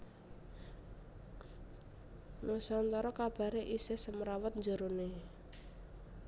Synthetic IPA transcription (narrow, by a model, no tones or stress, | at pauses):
nʔosant̪ɔɾɔkab̥a̤ɾeʔisehsəməɾawət̪̚ɲd͡ʒəɾone